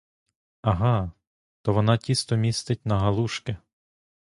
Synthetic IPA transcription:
ɐɦɑ | t̪ɔʋɔnɑtʲist̪ɔmʲist̪ɪt̚ʲnɐɦɐlˠuʃkɪ

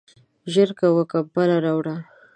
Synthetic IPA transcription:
ʒəɾkawəkabalaɾawɽa

